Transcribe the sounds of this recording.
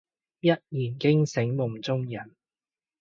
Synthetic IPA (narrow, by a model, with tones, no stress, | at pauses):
jɐ˥t̚jiː˨˩nkɪ˥ŋsɪ˨˥ŋmʊ˨˩ŋt͡sʊ˥ŋjɐ˨˩n